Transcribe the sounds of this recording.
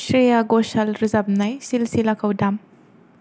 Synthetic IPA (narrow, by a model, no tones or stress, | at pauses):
sɾijaɡɔsalɾizab̚najsilsilakʰawdam